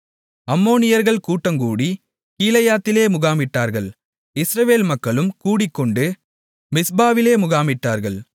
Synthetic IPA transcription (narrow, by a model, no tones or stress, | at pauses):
ɐmːoːnɪjɐɾɣɐɭkuːʈːɐŋkuːɽi | kiːlɐjaːt̪ːɪleːmʊɣaːmɪʈːaːɾɣɐɭ | ɪsɾɐʋeːlmɐkːɐɭɯmkuːɽɪkːɔɳɖɯ | mɪsbaːʋɪleːmʊɣaːmɪʈːaːɾɣɐɭ